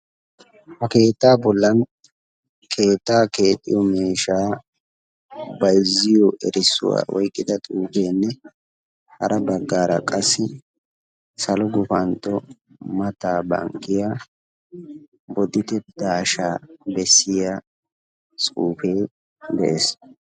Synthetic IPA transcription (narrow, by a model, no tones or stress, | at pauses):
hɐke̞ːt̪ːaːbɔlːɐn | kʰe̞ːt̪ːaːke̞ːt̪ʼːɪjɔmeːʃaː | bɐjzːɪjɔʔɛɾɪsːʊ̰wa̰ːwɔ̰jkʼːɪd̪ɐt̪ʼuːfe̞ːnːɛ | hɐ̰ɾʔɐbɐɡːaːɾɐ̰kʼɐsːɪ | sɐlɔɡʊfɐnt̪ʼːɔ | mɐt̪aːbɐ̰ŋkʼːɪjaː | bɔd̪ɪt̪ɛd̪aːʃaːbɛsːɪja | sʼuːfe̞ː | d̪ɛʔeːs